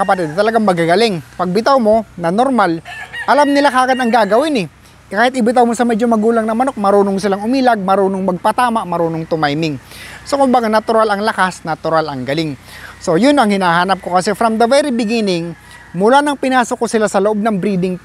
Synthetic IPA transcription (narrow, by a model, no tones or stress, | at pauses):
kɐpɐt̪ɛd̪̚t̪ɐlɐɡaŋmɐɡaɡɐlɪŋpɐɡ̚bɪt̪awmo̞nɐnoɾmalʔɐlamnɪlakaːɡɐnɐŋɡaːɡɐwɪnɛ | kaːhɪt̪̚ʔɪbɪt̪awmo̞sɐmɛd͡ʒo̞mɐɡuːlɐŋnɐmɐno̞k̚mɐɾoːnoŋsɪlaŋʊmiːlɐɡ̚mɐɾoːnoŋmɐɡ̚pɐt̪aːmɐʔmɐɾoːnoŋt̪ʊmajmɪŋso̞kʊmbaɡanɐt̪ʊɾalɐŋlɐkasnɐt̪ʊɾalɐŋɡɐlɪŋso̞jʊnɐŋhɪnaːɦaːnɐp̚kokɐsɛfɾɐmd̪ɐvɛɾibɪɡinɪŋ | mʊlanɐŋpɪnaːsokosɪlasɐloʔo̞b̚nɐŋbɾiːd̪ɪŋ